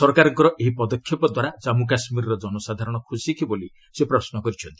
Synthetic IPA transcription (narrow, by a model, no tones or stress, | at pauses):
sɔɾkaɾɔŋkɔɾɔʔeɦipɔd̪ɔkʰːjɔpɔd̪waɾad͡ʒamuk̬asmiɾɔɾɔd͡ʒɔnɔsad̪ʱaɾɔɽ̃ɔkʰusikiboli | sepɾɔsnɔkɔɾit͡ʃʰɔnt̪i̥